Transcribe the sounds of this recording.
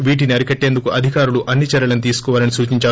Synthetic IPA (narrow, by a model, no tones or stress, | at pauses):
ʋiːʈ̬iniɐɾikɐʈːe̞ːnd̪ukuɐd̪ʱikaːɾuluʔɐnːit͡ʃɐɾɐlɐnit̪iːsu̥kɔːʋaːlɐnisuːt͡ʃiɲt͡ʃaː